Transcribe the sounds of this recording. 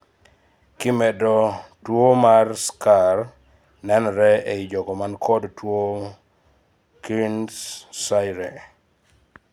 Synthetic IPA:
kɪmɛdɔtwomarskar | nɛnɾɛeid͡ʒɔɡɔmankʰɔdtwo | kinssajɾɛ

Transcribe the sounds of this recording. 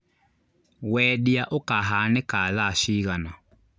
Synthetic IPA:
wɛdɪaʔʊkaɦanɪkaðaʃiɣana

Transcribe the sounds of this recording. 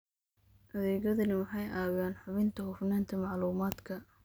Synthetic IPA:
ʔɐðɛːɣɐðɐnɪwɑħɑjʔaːwjaːnħʊβɪnt̪ʰɐhʊfnɛːnt̪ʰɐmɑʕluːmaːd̪kʰɐ

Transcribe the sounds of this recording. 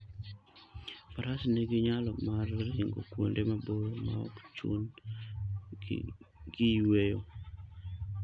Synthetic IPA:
paɾasneɡɪɲalɔmarɪŋɡo̰kwo̰ndemaboɾma̰ɔ̰kt͡ʃṵn | ɡiwejo

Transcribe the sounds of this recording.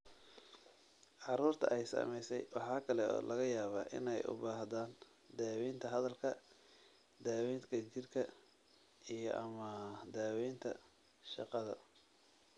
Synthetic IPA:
ʕɑɾuːrt̪ʰɐ̰ʔɛjsɐ̰mɛjsɛjwɑħɑːkʰɐlɛɔ̰ːlʔɐɣɐjaːβaːʔɪ̰nɛjʔʊ̰baːɦðaːn | d̪aːwiːnt̪ʰɐɦɐðɐlkʰɐ | d̪aːwɛːnkʰɐt͡ʃɪrkʰɐ | ijɞʔɐmɐd̪aːwɛːnt̪ʰɐ̰ | ʃɑ̰qɑðɐ̰

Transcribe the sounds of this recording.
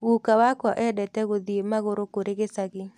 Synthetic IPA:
wukawakɔʔɛdɛtɛɣod̪iemaɣoɾokoɾeɡɪsaɡɪ

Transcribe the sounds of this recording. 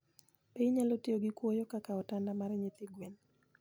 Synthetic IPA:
peiɲalotioɡikwɔjɔkakaɔtandamaɾɛɲet̪ɪɡwen

